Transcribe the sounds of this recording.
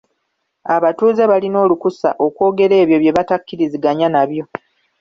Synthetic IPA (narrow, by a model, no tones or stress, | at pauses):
aβatuːze̞βalino̞ːlukusa̰ʔo̞kwo̞ːɡe̞ɾe̞ːβjo̞βje̞βatakːiɾiziɡaɲanaβjo̞